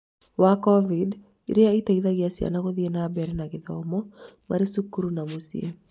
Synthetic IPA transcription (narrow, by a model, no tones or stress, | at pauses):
wakɔvid | ḭɾeaitaiðaɣeasja̰naɣoðienabɛɾɛnaɣeðɔmɔmaɾesukuɾunamosḭḛ